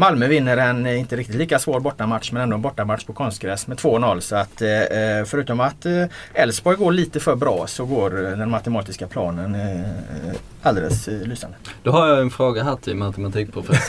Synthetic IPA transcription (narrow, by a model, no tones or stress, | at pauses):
malmœvɪnːəɾɛnɪnt̪əɾɪkt̪ɪt̪liːkasvoːɾbɔʈːamat̪ʂmɛnɛnd̪oːɛnbɔʈːamat̪ʂpʰɔkʰɔnst̪ɡɾɛsmɛt̪ʰvoːnɔlːsɔat̪fœɾʉ̟ːt̪ɔmat̪ɛlsbɔjɡoːɭiːt̪əfœɾbɾɑ̰ːsɔɡoːɾd̪ɛnmat̪əmɑːt̪ɪskapʰlɑ̰ːnən | ʔald̪ɛ̰ləslyːsa̰nd̪əd̪̥ɔhaɾjɑɛnfɾoːɡaɦat̪ʰːɪmat̪ɛmat̪ʰiːk̚pʰɾʊfɛs